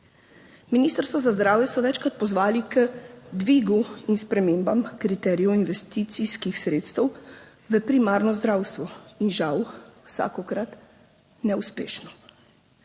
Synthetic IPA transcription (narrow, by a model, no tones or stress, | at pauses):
miniːst̪əɾst̪ʋɔzazd̪ɾaːwjɛsɔʋɛːt͡ʃkɾat̪̚pɔzʋaːlikəd̪ʋiɡuinspɾɛmeːmbamkɾit̪ɛːɾijɛwinʋɛst̪iːt̪siskixsɾeːt̪st̪ɛw | ʋəpɾimaːɾnɔzd̪ɾaːwst̪ʋɔinʒawwsa̰ːkɔkɾat̪ | nɛuspeːʃnɔ